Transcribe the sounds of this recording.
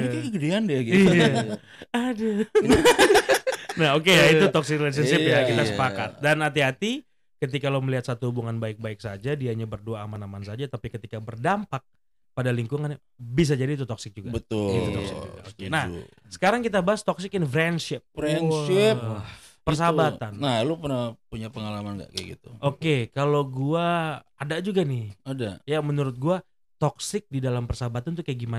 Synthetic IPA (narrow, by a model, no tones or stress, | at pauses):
akəɡədeandiaɡia | ada | naɦok̬ejait̪ut̪ɔksɪkɾlas̬əsɪpjakit̪asəpaka̰t̪̚danɦat̪iɦat̪i | kət̪̬ikalawməliɦat̪̚sat̪uhubuŋanbaɪk̚baɪk̚sad͡ʒadiaɲabərduaːmanamansad͡ʒat̪apikət̪ikabərdampak̚ | padaliŋkuŋana | bis̬ad͡ʒadiːt̪̬ut̪ɔksɪk̚d͡ʒuɡabət̪ʊ̰ | okenah | sə̥kaɾaŋkit̪abaɦast̪ɔksɪkɪnfɾɛnʃɪp̚ɛ | pərs̬abat̪annalupərnapuɲapəŋalamanɡa̰ʔkaɡḭt̪uʔokekaloɡua | adad͡ʒuɡanɪhadajamənuɾʊt̪̚ɡua | t̪ɔksɪk̚didalampərsabat̪ant̪ukajaɡiman